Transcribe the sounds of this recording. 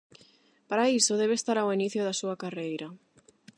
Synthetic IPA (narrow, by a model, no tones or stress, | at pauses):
paɾaisoðeβest̪aɾawiniθjʊðasuakarejɾɐ